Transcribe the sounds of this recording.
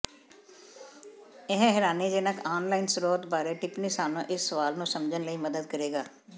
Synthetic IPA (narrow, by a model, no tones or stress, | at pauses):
ɛɦɦɪɾaːniːd͡ʒeːnəkʰaːnlaːinsəɾoːt̪baːɾeːʈɪpnisaːnõːʔɪsːəʋaːlnũːsəmd͡ʒənləiːməd̪əd̪̚kəɾeːɡaː